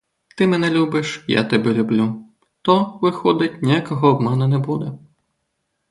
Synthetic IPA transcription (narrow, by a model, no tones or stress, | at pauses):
t̪ɪmɛnɛlʲubɨʂja̰t̪ɐbʲɛlʲublʲu | t̪ɔʋɪxɔd̪ɨt͡sʲnʲijakɔɣɔːbmɛnɛnɛbud̪ɛ